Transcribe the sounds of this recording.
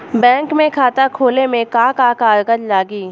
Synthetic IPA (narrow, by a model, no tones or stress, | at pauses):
bɛ̃ːŋkmẽkʰaːt̪akʰoːlemẽkãːkãːkaːɾɡəd͡ʒlaːɡiː